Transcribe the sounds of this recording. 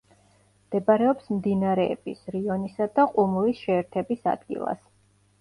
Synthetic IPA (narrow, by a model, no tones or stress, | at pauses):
md̪̥ɛbaɾɛɔpsmd̪inaɾɛɛb̥isɾiɔnisad̪aqʼumulisʃɛːɾt̪ʰɛbisa̰d̪̥ɡḭlˠa̰s